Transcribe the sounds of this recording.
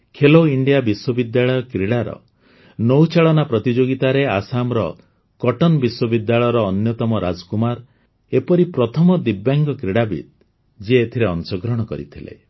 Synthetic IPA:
kʰeloiɳɖijabiswɔbid̪jaɭɔjɔkɾiɽaɾɔ̰ | nowt͡ʃaɭɔnapɾɔt̪id͡ʒoɡit̪aɾeasamɾɔ | kɔʈɔnbiswɔbid̪jaɭɔjɔɾɔːnjɔt̪ɔmɔɾa̰d͡ʒɔkumaɾ | epɔɾipɾɔt̪ʰɔmɔd̪ibjaŋɡɔkɾiɽabḭt̪̚ | d͡ʒiet̪ʰiɾeɔnsɔɡɾɔɽ̃ɔkɔɾḭt̪ʰilḛ

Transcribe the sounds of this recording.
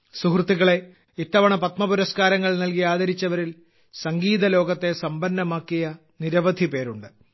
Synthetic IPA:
suhrt̪ːiɣɐɭe̞ | it̪ːɐʋɐɳɐpɐt̪mɐpuɾɐskaːɾɐŋːɐɭnɐlkijaːd̪ɐɾit͡ɕːɐʋɐɾil | sɐŋɡiːðɐlo̞ːɡɐt̪ːe̞sɐmbɐnːɐmaːkːijɐ | niɾɐʋɐd̪ʱipe̞ːɾuɳɖɨ

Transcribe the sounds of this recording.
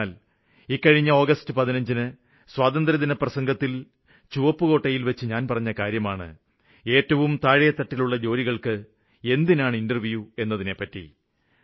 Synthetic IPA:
aːl | ikːɐɻiɲːɐo̞ːɡɐstɨpɐðinɐɲd͡ʑinɨ | swaːd̪ɐnd̪rɐðinɐprɐsɐŋɡɐt̪ːil | t͡ɕuʋɐpːɨɣo̞ːʈːɐjilʋɐt͡ɕːɨɲaːnpɐrɐɲːɐkaːɾjɐmaːɳɨ̰ | e̞ːtːɐʋumt̪aːɻɐjɐt̪ːɐʈːiluɭːɐd͡ʑo̞ːɾiɣɐɭkɨ | e̞nd̪inaːɳɨindɐrʋujue̞nːɐðine̞pːɐtːḭ

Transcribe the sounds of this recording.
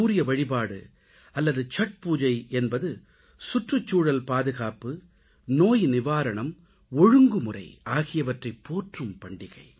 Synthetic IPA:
uːɾɪjɐʋɐɻɪpaːɽɯ̰ | ɐlːɐðɯt͡ʃɐʈ̚puːd͡ʒɐɪɛnbɐðɯ | sʊʈrɯt͡ʃːuːɻɐlpaːðɯɣaːpɯ | noːjnɪʋaːɾɐɳɐm | ɔɻɯŋɡɯmɯrɐ̰ɪaːɣɪjɐʋɐʈrɐɪpːoːʈrɯmpɐɳɖɪɣɐɪ

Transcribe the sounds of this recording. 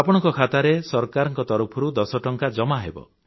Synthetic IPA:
apɔɽ̃ɔŋkɔkʰat̪aɾesɔɾkaɾɔŋkɔt̪ɔɾupʰɔɾud̪ɔsɔʈɔŋkad͡ʒɔmaɦḛbɔ̰

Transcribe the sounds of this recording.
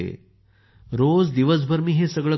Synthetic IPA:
ḛ | ɾod͡zd̪iʋəs̬bʱəɾmiːɦesəɡɭə

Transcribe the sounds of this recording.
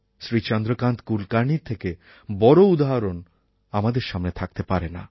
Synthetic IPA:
sɾit͡ɕɔnd̪ɾokant̪kulkaɾɳiɾt̪ʰːeke | bɔɾoud̪aɦaɾon | amad̪eɾʃamnet̪ʰak̚t̪epaɾena̰

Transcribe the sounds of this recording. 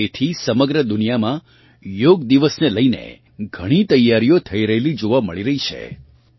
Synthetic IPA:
et̪ʰisəməɡɾəd̪ʊnijamã | joɡd̪iʋəsneləinḛ | ɡʱəɽ̃it̪əjːaɾijot̪ʰəiɾəɦelid͡ʒoʋamə̰ɭiɾəɦit͡ʃʰḛ

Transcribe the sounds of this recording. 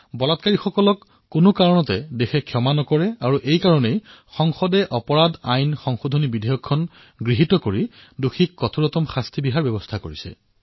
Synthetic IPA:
bɔlatkaɹixɔkɔlɔkː | unʊkaɹɔnɔtɛdexʰɛkʰjɔmanɔkɔɹɛaɹuʔejkaɹɔnejxɔŋxɔdɛʔɔpɔɹadajnxɔŋxodʱonibidʱejɔkʰːɔn | ɡɹiɦitɔkoɹi | duxʰikːɔtʰuɹɔtɔmxastʰibiɦaɹbjɛbɔstʰako̰ɹisɛ̰

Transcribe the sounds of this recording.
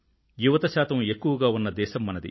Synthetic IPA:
juʋɐt̪ɐʃaːt̪ɐme̞kːuʋɐɡaːunːɐd̪ɛːʃɐmːɐnɐd̪ḭ

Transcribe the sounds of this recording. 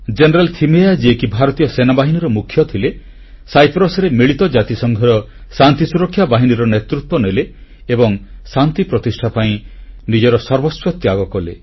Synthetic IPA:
d͡ʒenɔɾalt̪ʰimead͡ʒiekibʱaɾɔt̪ijɔsenabaɦiniɾɔmukʰːjɔt̪ʰile | sajpɾɔsɔɾemiɭit̪ɔd͡ʒat̪isɔŋɡʱɔɾɔ | sant̪isuɾɔkʰːjabaɦiniɾɔnet̪ɾut̪wɔnele | ebɔŋsant̪ipɾɔt̪isʈʰapaĩnid͡ʒɔɾɔsɔɾbɔswɔt̪ːjaɡɔkɔle

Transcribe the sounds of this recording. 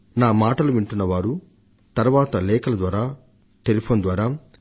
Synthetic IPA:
naːmaːʈɐluʋiɳʈunːɐʋaːɾu | t̪ɐɾʋaːt̪ɐlɛːkɐlɐd̪ʋaːɾaː | ʈelipʰoːnd̪ʋaːɾaː

